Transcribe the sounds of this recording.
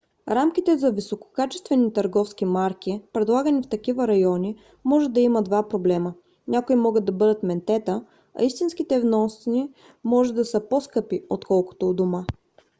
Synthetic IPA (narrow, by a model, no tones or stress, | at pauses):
ɾamk̟it̪ɛzɐvisoko̥kat͡ʃɛ̥st̪vɛnit̪ɐɾɡɔfskimaɾk̟ipɾɛd̪lˠaɡənift̪ɐk̟ivəɾɐjɔni | mɔʒɛd̪ɐiməd̪vapɾoblɛmə | nʲakoimɔɡəd̪ːɐbɤd̪ət̪mɛnt̪ɛt̪ə | ɐ̰ist̪inskit̪ɛvnɔsni | mɔʒɛd̪ɐsəposkɤpiot̪kɔlˠko̥t̪od̪oma